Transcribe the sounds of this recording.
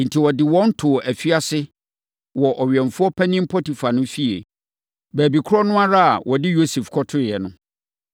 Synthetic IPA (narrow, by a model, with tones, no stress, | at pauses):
n̩˨tʰi˨wɔ˨dɪ˨wɔ̃˦n̩˦tʰʊ˨ʔæ˨fi˦a˦sɪ˦ | wɔ˨ʔɔ˨ɥɛ˨ɱ˨fʊ˦ɔ˦pʰɛ˦nɪ̃˦m̩˦pʰɔ˦ti˨fa˨nʊ̃˦fi˦ḛ˨ | bæː˨bi˨kʰʊ˦ɔ˦nʊ̃˦a˦ɾa˦a̰˨wɔ˨dɪ˦jo˦se˨fkʰɔ˦tʰʊ˦˨jɛ˨nʊ̃˦